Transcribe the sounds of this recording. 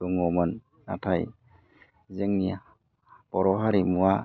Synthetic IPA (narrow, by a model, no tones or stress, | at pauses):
uŋɔmɯnː | a̰tʰaj | zeŋnia | pɔɾɔɦaɾimua